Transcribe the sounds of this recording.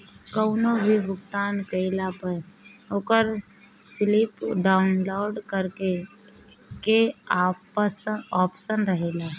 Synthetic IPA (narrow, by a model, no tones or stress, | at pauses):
kəʊnobʱibʱʊkt̪aːnkəɪlapəɾoːkəɾ | slipɖaːʊnloːɾɖkəɾke | keapəsɔːpsənɾəɦeːlaː